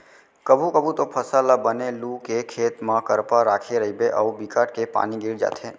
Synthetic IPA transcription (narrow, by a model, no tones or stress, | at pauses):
kəbʱukəbʱut̪opʰəsaːlabəneluːkekʰeːt̪mãkəɾpaɾaːkʰeɾɐɦibeʔəubɪkaːʈ̚kepa̰ːniɡɪːɽd͡ʒa̰ːt̪ʰẽː